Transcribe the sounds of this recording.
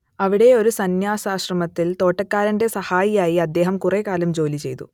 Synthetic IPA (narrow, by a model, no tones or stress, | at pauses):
ɐʋiɽe̞o̞ɾusɐnjaːsaːɕrɐmɐt̪ːilt̪o̞ːʈːɐkːaːɾɐnde̞sɐhaːjijaːjiɐd̪ːe̞ːɦɐmkureːkaːlɐmd͡ʑo̞ːlit͡ɕe̞jt̪ṵ